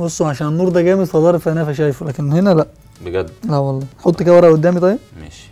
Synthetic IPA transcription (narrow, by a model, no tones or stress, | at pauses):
bosˤːoʕaʃæːnenːuːɾd̪æɡæːmed̪fɑd̪ˤɑːɾefænæfæʃ̬æːjfulæːkenhenælæʔ | beɡæd̪læwɑlˤːɑːħot̪ˤːkæwɑɾˤæʔʊd̪ːæːmit̪ˤɑjebmḛʃ